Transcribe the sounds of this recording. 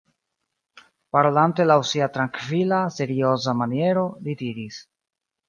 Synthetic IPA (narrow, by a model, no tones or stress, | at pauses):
paɾo̞lante̞lawsiatɾaŋkvilase̞ɾio̞zamanie̞ɾo̞lidiɾis